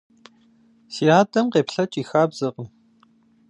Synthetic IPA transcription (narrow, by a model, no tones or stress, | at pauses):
siːaːdʰʼɐmqeːpɬɐt͡ʃʼiːxaːbz̥ɨqən